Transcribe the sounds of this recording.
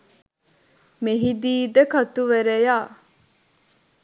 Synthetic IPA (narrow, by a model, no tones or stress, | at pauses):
meɦid̪iːd̪əkɐt̪uʋeɾejaː